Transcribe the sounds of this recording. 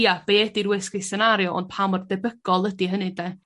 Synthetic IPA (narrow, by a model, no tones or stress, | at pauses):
jab̥eːdiɾwɛskɪsɛnaɾjɔʔɔ̰n̚pʰamɔrdɛbəɡ̥ɔlˠədiɦənɨdɛ